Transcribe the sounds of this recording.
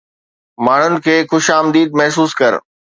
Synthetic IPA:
maːɳ̤ʊnɪ̆kʰeːxʊʃaːmd̪iːd̪̚mɐɦsuːskɐɾ

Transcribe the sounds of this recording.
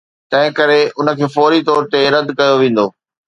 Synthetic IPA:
t̪ɐ̃ɦɪ̃kɐɾeʊnə̆kʰeːfɔːɾit̪ɔːɾt̪eɾɐd̪kɐjoʋẽːn̆d̪oː

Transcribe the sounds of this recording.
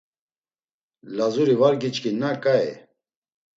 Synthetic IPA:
lazuɾivaɾɡit͡ʃkinakʼaɛ̰

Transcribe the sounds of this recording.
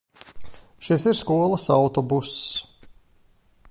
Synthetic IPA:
ʃisiɾskuɔlˠɐsawt̪ɔbus

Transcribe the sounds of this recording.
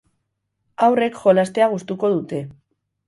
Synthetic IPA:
awre̞kʝo̞last̪e̞aɣ̞ust̪uko̞ð̞ut̪e̞

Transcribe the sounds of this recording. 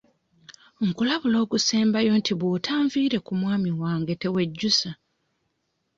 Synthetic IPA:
ŋkulaβulo̞ːɡuseːmbajo̞ntiβuːtʰaːɱviːɾe̞kumwaːmiwaːŋɡe̞te̞we̞ɟːusa

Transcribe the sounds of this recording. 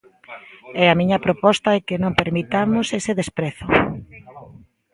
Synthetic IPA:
ɛamĩɲɐpɾopɔst̪ɐɛkenõŋpeɾmit̪amʊseseðespɾɛθʊ

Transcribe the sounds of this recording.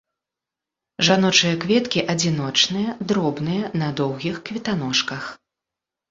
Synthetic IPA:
ʐanɔt͡ʂɨjɐkvʲɛt̪kʲiʔɐd͡zʲinɔt͡ʂnɨjɐd̪ɾɔbnɨjɐnɐd̪ɔwɣʲixkvʲɛt̪an̪ɔʂkɐx

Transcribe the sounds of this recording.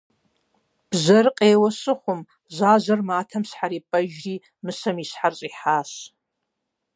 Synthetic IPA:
b̥zɐrqʼeːwɐsɨχʷʊm | zaːzɐrmaːtʰɐmsħaɾiːpʼɐʒriː | mɨsɐmisħarɕʼiːħaːɕ

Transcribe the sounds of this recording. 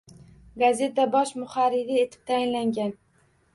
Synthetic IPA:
ɡazet̪abɒʃmʊχaɾɪɾie̞t̪ʰɪ̥p̚t̪ʰajɪnlaŋɡʲan

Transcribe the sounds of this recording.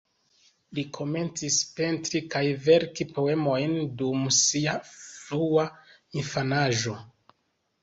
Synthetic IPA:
likʰo̞me̞nt͡sispe̞ntɾikajve̞ɾkipo̞e̞mo̞jndumsiaflua | infanaʒo̞

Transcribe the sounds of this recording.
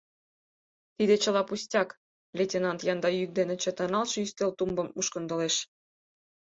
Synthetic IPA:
t̪id̪et͡ɕə̆lɑpusʲtʲɑk | lʲetʲenɑnt̪jɑnd̪ɑjyk̚d̪enĕt͡ɕə̆t̪ənɑlʃɤyst̪elt̪umbɤ̆mːuʃkə̆nd̪ə̆leʃ

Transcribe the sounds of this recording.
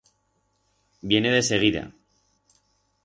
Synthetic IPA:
bje̞ne̞ðe̞se̞ɣ̞iða̰

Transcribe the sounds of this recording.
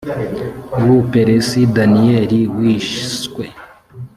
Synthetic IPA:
wupeɾesidanieɾiwiʃskwe

